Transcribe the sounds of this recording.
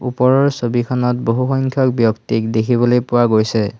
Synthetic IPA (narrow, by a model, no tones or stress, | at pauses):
ṵpɔɹɔɹsobikʰɔnɔt̚boɦuxɔŋkʰjɔk̚bjɔktikdekʰiβɔlojpʊwaɡojsɛ